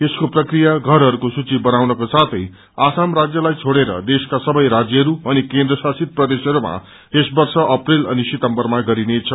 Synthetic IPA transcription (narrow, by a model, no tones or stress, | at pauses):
eskoprʌkrijaɡʱʌɾɦʌɾukosut͡sibʌnawnʌkosat̪ʰʌj | asamrad͡zjʌlajt͡sʰoɽeɾʌ̰d̪eskasʌbʌjɾad͡zjʌɦʌɾuʌnikẽnd̪ɾʌsasit̪̚prʌd̪esɦʌɾuma̰ | esbʌrsʌʔʌprilʌnisit̪ʌmbʌrmaɡʌɾinet͡sʰʌ